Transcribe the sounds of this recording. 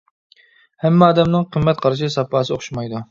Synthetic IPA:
hɛmːɑːd̪ɛmnɨŋqʰəmːɛt̪̚qʰɑɾɨʃɪsɑpɑːsɨoχʃmɑjd̪u

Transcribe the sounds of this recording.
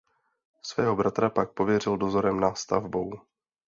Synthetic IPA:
svɛːɦo̞bɾat̪ɾapak̚po̞vjɛrɪldo̞zo̞ɾɛmnast̪a̰vbo̞w

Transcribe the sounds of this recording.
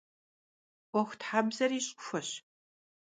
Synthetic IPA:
ʔʷɔxʷtħaːbzɐriːɕʼʊfɐɕ

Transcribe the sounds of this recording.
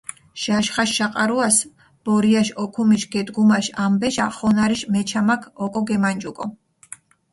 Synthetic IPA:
ʃaʃχaʃʃaqʼaɾuas | b̥ɔɾiaʃɔkʰumiʃɡɛd̪ɡumaʃambɛʃaχɔnaɾiʃmɛt͡ʃʰamakʰɔkʼɔɡɛmand͡ʒukʼɔ

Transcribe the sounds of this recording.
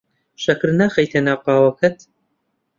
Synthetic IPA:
ʃɐkɨɾnaːxɐjt̪ʰenaːqɑːwɐkʰɐt̪

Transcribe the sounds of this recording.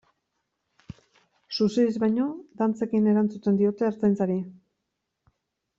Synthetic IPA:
suseðizβaɲo̞d̪ant͡se̞kine̞ɾant͡sut̪e̞nd̪io̞t̪e̞ːɾt͡s̪ajnt͡saɾi

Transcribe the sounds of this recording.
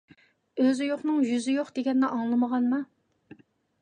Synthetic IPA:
øzɪjoχnɨŋjyzɪjoχd̪eɡʲɛnːɛʔɑŋlˠɨməʁɑnmɑ

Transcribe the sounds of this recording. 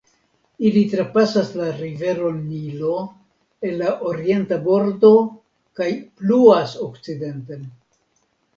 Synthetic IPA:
ilitɾapasaslaɾive̞ɾo̞nːilo̞ | e̞nlaʔo̞ɾie̞ntabo̞ɾdo̞ | kajpluaso̞kt͡side̞nten

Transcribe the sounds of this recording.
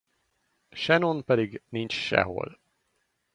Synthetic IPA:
ʃɛnonpɛd̪iɡnint͡ʃʃɛ̰ɦo̰l

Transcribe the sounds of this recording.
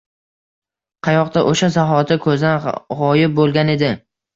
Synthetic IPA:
qʰɑjɒqt̪aʔoʃasaɦɒt̪ʰɪkʰɵzanʁɒjɪp̚bolˠɡʲane̞d̪ɪ

